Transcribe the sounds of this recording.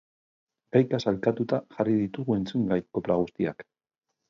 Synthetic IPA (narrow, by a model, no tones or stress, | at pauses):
ɡajkasalkat̪ut̪aʝariðit̪uɣue̞nt͡suŋɡajko̞plaɣust̪ia̰k